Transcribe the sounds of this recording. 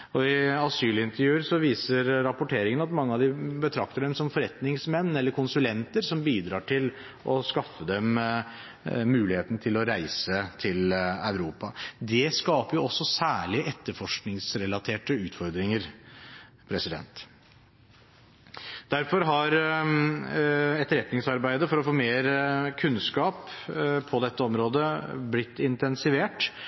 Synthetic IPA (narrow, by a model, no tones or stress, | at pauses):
ɔɪɑsyːlɪnt̪əɾjʉːəɾsɔʋiːsəɾɾɑpʊʈʰeːɾɪŋənɑt̪mɑŋːəɑʋd̪ɪbət̪ʰɾɑk̚t̪əɖɛmsɔmfɔɾɛt̪nɪŋsmɛnːɛlːəɾkʰʊnsʉlɛnt̪əɾsɔmbiːd̪ɾɑːʈʰɪl | ʔɔskɑfːəd̪ɛm | ʉːlɪheːt̪nət̪ʰɪlɔɾæɪsət̪ʰɪlœʉɾuːpɑd̪ɛskɑːpəɾjʊɔsːɔsæːɭɪəʔɛt̪ːəɾfɔʂknɪŋsɾɛlɑt̪ʰeːʈəʉːt̪fɔɾd̪ɾɪŋəɾ | pʰɾɛsɪd̪ɛ̰nt̪ | d̪̥æɾfɔɾɦɑɾ | ɛt̪ɾɛt̪nɪŋsɑɾbæɪd̪əfɔɾɔfoːmeːɾkʰʉnskɑːppʰɔd̪ɛt̪ːəɔmɾoːd̪əblɪt̪ːɪnt̪ɛnsɪʋeːʈ